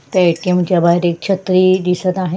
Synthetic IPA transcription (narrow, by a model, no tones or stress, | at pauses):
t̪ɛʈimt͡ɕjabʱaɦjɾek̚t͡ɕʰət̪ɾiːd̪isət̪aɦe